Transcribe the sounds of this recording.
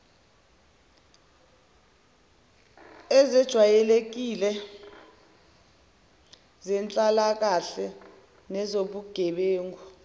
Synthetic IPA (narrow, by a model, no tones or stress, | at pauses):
ɛzɛd̥ʒ̥ʱwajɛlek̬ilɛ | zɛnt͡ɬʼalak̬ʼaɬɛ | nɛzoɓuɡ̥ʱɛɓeːŋɡu